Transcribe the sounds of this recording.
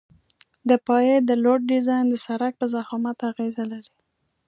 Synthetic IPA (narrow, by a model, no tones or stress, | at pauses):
d̪əpɑjed̪əloʈ̚ɖɪzɑjnd̪əsaɾak̚pəzahɑmat̪aɣezalaɾi